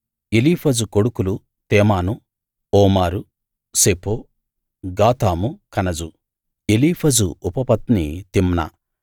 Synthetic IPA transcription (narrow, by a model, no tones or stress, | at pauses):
eliːpʰɐd͡ʒukoɽukulu | t̪ɛːmaːnu | ɔːmaːɾu | sepoː | ɡaːt̪aːmukɐnɐd͡ʒu | eliːpʰɐd͡ʒṵupɐpɐt̪nit̪imnɐ̰